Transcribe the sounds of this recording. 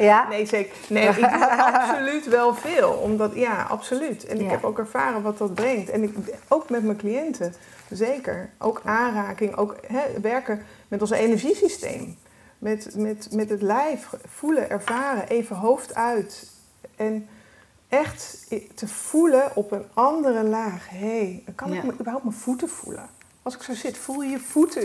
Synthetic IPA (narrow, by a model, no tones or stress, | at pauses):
nejzek | neɪɑpsolytʋɛlˠv̥ɪːlˠɔ̰mdɑtjaɑ̰psolytɛ̰nɪkɦɛpowkɛɹv̥aːrəʋɑtdɑd̚brɛŋktɛnɪkowkmɛtməklijɛntə | zejkə̰ɹʔo̰wkʔaːnraːkɪŋʔo̰wkɦɛʋɛɹkəmɛtɔ̃nsejnɛɹʒisistḛjm | mɛtmɛtmɛtɦətlɛjffuləʔɛɹvaːrəʔejvəɦowftœɥt | ɛn | ʔɛχttəv̥uləʔɔpənɑndərəlaːχɦejkɑnɪkkməʔybəɹɦawp̚tməv̥utəv̥ṵlə̰ | ɑlˠsɪ̥ksowzɪtfulˠjəjəv̥utə